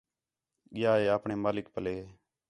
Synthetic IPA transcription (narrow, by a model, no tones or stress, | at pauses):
ɠɪjaːeːaːpɳeːmaːlɪkpəleː